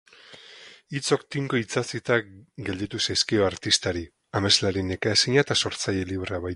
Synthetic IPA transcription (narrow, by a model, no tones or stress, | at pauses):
it͡so̞kt̪iŋkoit͡sasit̪akɡe̞ld̪it̪usajskioaɾt̪ist̪aɾi | ame̞zlaɾine̞kaesiɲat̪aso̞ɾt͡saje̞liβɾeaβaj